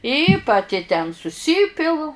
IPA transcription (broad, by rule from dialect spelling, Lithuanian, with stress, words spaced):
ɪ pɐˈtʲɪ tʲɛn sʊˈsʲiːpʲɪlˠʊ